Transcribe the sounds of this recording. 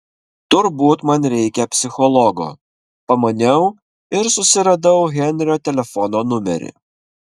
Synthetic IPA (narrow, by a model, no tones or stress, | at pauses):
t̪ʊɾbuːt̪mɐnɾʲɛɪkʲɛpʲsʲɪxɔlˠɔɡo̰ | pɐmɐnʲɛʊ | ɪɾsʊsʲɪɾɐd̪ɐʊɣʲɛnʲɾʲoːt̪ʲɛlʲɛfɔnoːnʊmʲɛ̰ɾʲɪ̰